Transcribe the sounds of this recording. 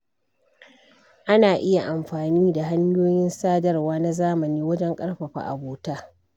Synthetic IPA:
ʔa˦naː˨ʔɪ˦ja˨ʔa˨mɸaː˨niː˦da˨ɦa˦ɲjoː˦jɪ˦nsaː˦dɐ˦rwaː˦na˦zaː˦mɐ˨niː˦wɐ˦d͡ʒɛ˦ŋkʼɐ˦ɽɸɐ˨ɸa̰˨ʔa̰˨boː˨taː˦

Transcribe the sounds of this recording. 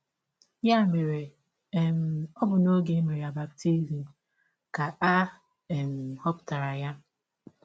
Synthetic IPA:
ja˦˨me˨ɾe˨ | ɛ˨m̩˨ɔ˦bʊ˨no˦ɡe˦me˨ɾja˨ba˨k̚ti˦ɾi˨i˨ | ka˨ʔa˦ | ɛ˨m̩˨hɔ˦pta˨ɾa˨ja˦

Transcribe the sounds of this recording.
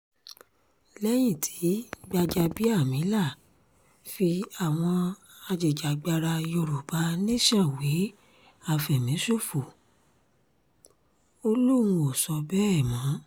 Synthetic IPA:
lɛ˦j̃ĩ˦˨tʰi̥˨˦ɡ͡ba˧d͡ʒa˧bi˦a˦˨mĩ˨˦la˦˨ | fi˧a˨w̃ɔ̃˧ | a˧d͡ʒe˨d͡ʒa˨ɡ͡ba˧ɾa˧jo˧ɾo˨ba˨˦nĩ˦ʃã˦˨we˨˦ | a˨fɛ˨mĩ˨˦so˦˨fu˨ | o˧lũ˦˧ũ˧o˨sɔ˧bɛ˦ɛ˦˨mã˨˦

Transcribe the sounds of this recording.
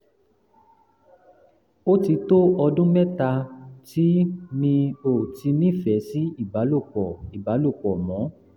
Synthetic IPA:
o˦ti˧to˦ɔ˧dũ˦mɛ˦ta˧ti˦nĩ˧o˨ti˧nĩ˦˨fɛ˨˦si˦i˦˨ba˨˦lo˦˨k͡pɔ˨i˨ba˨˦lo˦˨k͡pɔ˨mɔ̃˨˦

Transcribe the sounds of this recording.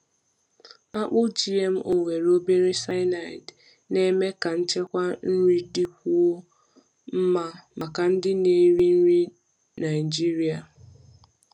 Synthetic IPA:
a˦k͡pʊ˦d͡ʒi˦e˦m̩˦ʔo˨ŋʷe˨ɾo˦be˦ɾi˦sa˦ɪ˦na˨t | ne˦me˦ka˨n̩˦t͡ʃe˦kʷa˦n̩˦ɾi˦dɪ˦kʷu˦o˦ | m̩˦ma˦ma˨ka˨n̩˦dɪ˦ne˨˦ɾi˦n̩˦ɾi˦ | na˨ɪ˨d͡ʒi˦ɾi˨a˨

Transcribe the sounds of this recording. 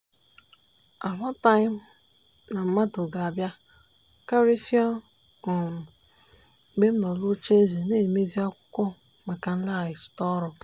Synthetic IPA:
a˨ɦa˦ta˦jɪ˦m̩˦ | na˨m̩˦ma˦dʊ˨ɡa˨a˨bja˦ | ka˦ɾe˦si˦ɔ˦˨˦ | be˦m̩˦nɔ˨lʊ˦t͡ʃe˦ze˨ne˦˨me˦zi˦a˦kʷʊ̥˦kʷɔ˦ | ma˨ka˨n̩˦la˦a˨ɪ˨sʊ̥˨tɔ˦ɾʊ˨

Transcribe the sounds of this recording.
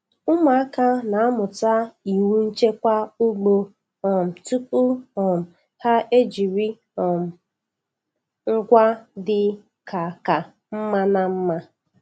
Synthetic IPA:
ʊ˦ma˨a˦ka˦na˨a˦mʊ˨ta˦i˨wu˦n̩˦t͡ʃe˦kʷa˦u˦ɡ͡bo˨ | ɔ˨m̩˨tu˦k̚u˦ɔ˨m̩˨ | ha˦e˦d͡ʒi˨ɾi˦ | ɔ˨m̩˨ | ŋ̩˦ɡʷa˦dɪ˦ | kʰa˨ka˨ | m̩˦ma˦na˦m̩˦ma˦

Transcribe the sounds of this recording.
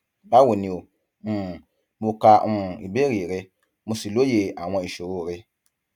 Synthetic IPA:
ba˦wo˨ni˨o˨˦˨ | bu˦ka˦˨i˨be˦ɾiː˨ɾɪ˦ | mu˨si˨lo˦je˨ʔa˨ŋɔ̃˦i˨ʃo˨oː˦˨ɾɪ˦

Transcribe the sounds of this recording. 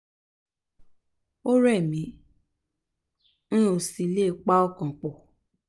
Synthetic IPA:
o˦ɾɛ˦˨mĩ˨˦ | ñ̩˦o˧˨si˨˧˦le˦˨k͡pa˦ɔ˦˨kã˨k͡po˨

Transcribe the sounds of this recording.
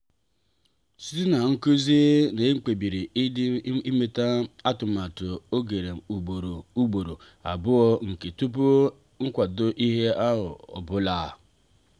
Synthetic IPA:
si̥˦ti˦na˨ŋ̩˦ku˦ze˦ne˨e˦ŋ͡m̩˦k͡pe˨bi˨ɾi˨˦i˦me˨ta˦a˦tʊ˨ma˨tʊ˨o˦ɡe˨ɾe˨u˨ɡ͡bo˨ɾo˨u˦ɡ͡bo˨ɾo˨ | a̰˨bʊ˦ɔ˦ŋ̩˨ke˨tu˦p̬u˦ | ŋ̩˦kʷa˨do˦ʔi˦ɦe˦a˦ɦʊ̰˨ɔ̰˨bʊ˦la˨

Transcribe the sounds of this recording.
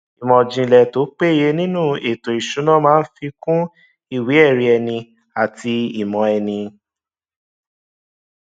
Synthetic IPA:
i˨mɔ̃˨d͡ʒĩ˧˨lɛ˨to˨˦k͡pe˦i˦˨je˧˦nĩ˦nũ˦˨e˨to˨i˨ʃũ˨˦nã˦mãː˦n̩˦fi˧kũ˦ | i˦˨wi˨˦ɛ˦˨ɾi˧ɛ˧˨nĩ˧ | a˨tʰi˧i˨mɔ̃˨ɛ˧nĩ˧

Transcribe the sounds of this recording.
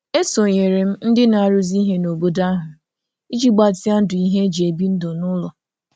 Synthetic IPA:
e˦so˨ɲe˨ɾe˨m̩˦n̩˦dɪ˦na˨a˨ɾʊ˦zi˦ɦe˦no˨bo˦da˦ɦʊ˨ | i˦d͡ʒi˦ɡ͡ba˨ti˦a˦n̩˦dʊ˨i˦ɦe˦d͡ʒe˨bi˦n̩˦do˨nʊ˦lɔ˨

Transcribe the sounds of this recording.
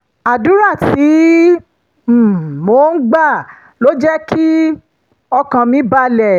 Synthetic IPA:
a˨dũ˨˦ɾa˦˨ti˨˦˨ | mo˨˦n̩˦ɡ͡ba˦˨ | lo˦d͡ʒɛ˦ki˦ | ɔ˧kã˧mĩ˨˦ba˧˦lɛ˨

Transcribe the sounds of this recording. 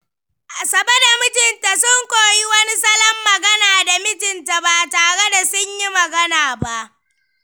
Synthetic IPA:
ʔa˨sɐ˨bɐ˦da˨mɪ˦tɪ˨nta˨sʊ˦ŋkʷoː˨ji˦wɐ˦ni˦sɐ˦lɐ˦mːɐ˨ɡɐ˦naː˨da˨mɪ˦tɪ˨nta˨ba˨taː˨ɽe˦da˨sʊ˦ɲji˦mɐ˨ɡɐ˦naː˨ba˦ʔ

